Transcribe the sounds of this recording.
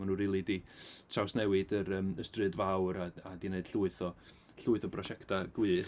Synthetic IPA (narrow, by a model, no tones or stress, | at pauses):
manuriːlˠiditʰawsnɛwɨdəɾəːməstrɨdvawɾaadineɨd̥ɬuɨθɔ | ɬuːɨθɔpʰrɔʃɛktʰaɡ̥wɨː